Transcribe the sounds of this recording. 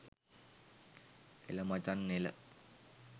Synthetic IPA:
ḛləmat͡ʃanːelə

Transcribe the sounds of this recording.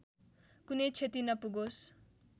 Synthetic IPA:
kunejt͡sʰet̪inʌpuɡos

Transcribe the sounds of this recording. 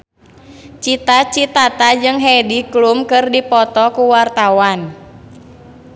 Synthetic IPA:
t͡ʃit̪at͡ʃit̪at̪ad͡ʒɨŋɦɛdiklumkɨrdipɔt̪ɔkuwart̪awan

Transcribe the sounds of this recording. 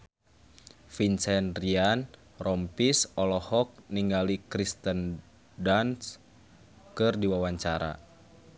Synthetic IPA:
finsɛnrian | rɔmpisɔlɔhɔk̚niŋɡalikɾist̪ən | dans | kɨrdiwawaɲt͡ʃaɾa̰

